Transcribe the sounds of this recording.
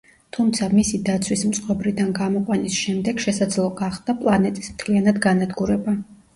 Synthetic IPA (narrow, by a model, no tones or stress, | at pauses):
t̪ʰumt̪sʰamisid̪at̪sʰwismt̪sʼqʼwɔbɾid̪anɡamɔqʼwanisʃɛmd̪ɛɡ̥ʃɛsad̪zlˠɔɡaχd̪̥apʼlˠanɛt̪ʼismt̪ʰlianad̪ɡanad̪ɡuɾɛba